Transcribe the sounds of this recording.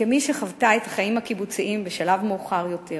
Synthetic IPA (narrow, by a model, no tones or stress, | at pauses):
kemiʃeχavtaethḁχajimhakibut͡siʔimbeʃalavmeuχaʁjo̞tʰe